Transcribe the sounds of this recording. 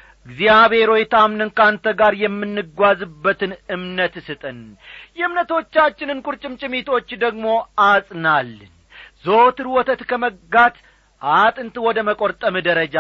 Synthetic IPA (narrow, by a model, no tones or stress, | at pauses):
ʔʔɨɡzjaβhe̞ɾo̞jt̪ʰamnɨnkant̪ʰəɡaɾjɛmːɨnːɨɡʷazɨbːət̪ɨnɨmnət̪sɨt̪ʼɨnjɛɨmnət̪o̞t͡ʃːat͡ʃːɪnɨnkʼuɾt͡ʃʼɪmt͡ʃʼɪmit̪ʰo̞t͡ʃːd̪əɡmo̞ʔasʼnalːɨn | zot̪ɨɾwɔt̪ʰət̪kʰəməɡat̪ | ʔat̪ʼɨnt̪ʰɨwɔd̪əməkʼoɾt̪ʼəmɨd̪əɾəd͡ʒa